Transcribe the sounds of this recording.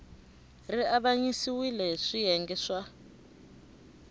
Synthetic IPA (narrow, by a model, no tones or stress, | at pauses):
riaβaɲisiwilɛʂijɛŋɡɛʂa